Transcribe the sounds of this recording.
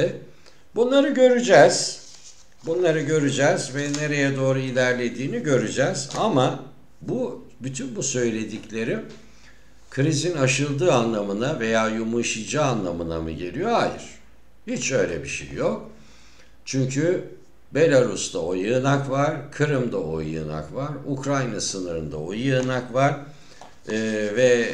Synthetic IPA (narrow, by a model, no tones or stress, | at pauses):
ɛ | bunlˠaɾɯɟø̞ɾyd͡ʒɛːz̥ | bunlˠaɾɯɟø̞ɾyd͡ʒɛːzvɛne̞ɾe̞jɛd̪o̞ːɾuilʲæɾlʲe̞d̪iːniɟø̞ɾyd͡ʒɛːzama | bu | byt̪ʰynbusø̞jlʲe̞d̪iclʲe̞ɾi | kʰɾizinaʃɯlˠd̪ɯːanlˠamɯnave̞jaːjumuʃɯjd͡ʒaanlˠamɯna̰mɯ̰ɟe̞̰lʲijo̞hajɯ̰ɾ̥ | hit͡ʃø̞jlʲɛ̰biʃḛjːok̚ | t͡ʃʰyɲcʰy | be̞lʲaɾust̪ʰaojɯːnakvaɾ̥kʰɯɾɯmd̪ao̞jɯ̰ːna̰kvaɾukɾajnasɯnɯɾɯnd̪a̰ojɯːnakvaɾ̥ː | vɛ